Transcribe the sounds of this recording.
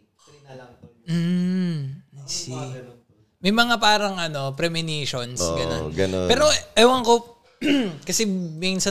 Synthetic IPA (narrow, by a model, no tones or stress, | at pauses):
m̩ | mɐjmɐŋapaːɾɐŋʔɐno̞pɾɛmɪniːʃonsɡɐonɡɐnopɛːɾoʔɐwɐŋko | kɐsɛmɛnsɐ